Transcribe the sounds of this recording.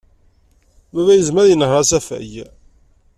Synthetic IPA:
bævæjəzmæðjənːəhɾˤɑsæfæ̰j

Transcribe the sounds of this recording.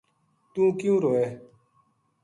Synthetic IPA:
t̪ũːkjũːɾoːeː

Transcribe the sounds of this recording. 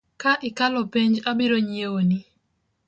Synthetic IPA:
kaʔɪkalɔpeɲd͡ʒabɪɾoɲjewonɪ

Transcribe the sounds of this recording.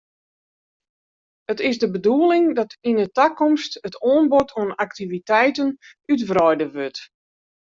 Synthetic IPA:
ətɪsdəbəduəlˠɪŋdɔtinətakɔmstətoːnbotʰoənaktivitɛjtənytfrɔjdəʋøt

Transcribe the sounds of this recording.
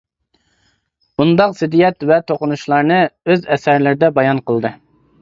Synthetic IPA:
bund̪ɑqsɪd̪ijɛt̪vɛt̪ʰoqʊnuʃlˠɑɾnɨøzɛsæɾlɪɾɪd̪ɛbɑjɑnqəlˠd̪ɨ

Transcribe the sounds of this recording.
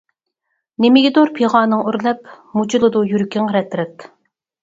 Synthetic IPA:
nemɪɡʲɪd̪oɾpʰeʁɑːnɨŋyɾlɛp | mut͡ʃʰilˠɨd̪ujyɾkʲʰiŋɾɛt̪ɾɛt̪

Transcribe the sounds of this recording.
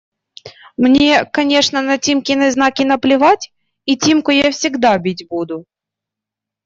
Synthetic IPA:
mnʲe̞kɐnʲe̞ʂnənɐtʲimkʲɪnəznakʲɪnəplʲɪvatʲ | itʲimkʊjafsʲɪɡd̪abʲitʲbud̪ʊ

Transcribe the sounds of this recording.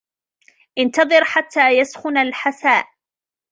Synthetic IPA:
ʔɪnt̪ɑðˤɨɾħat̪ːaːjasxʊnalħasaːʔ

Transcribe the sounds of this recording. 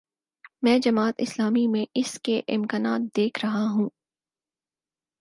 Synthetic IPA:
mɛ̃ːd͡ʒɐmaːt̪ɪslaːmimẽʔɪskeʔɪmkaːnaːt̪̚d̪eːkʰɾɐɦaɦũː

